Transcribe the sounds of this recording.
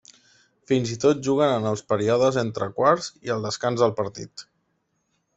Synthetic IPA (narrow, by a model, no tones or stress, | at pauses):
finzit̪ot̪̚ʒuɣ̞ənənəlˠspəɾiɔðəzent̪ɾəkwaɾziəlˠd̪əskanzðəlˠpəɾt̪ḭt̪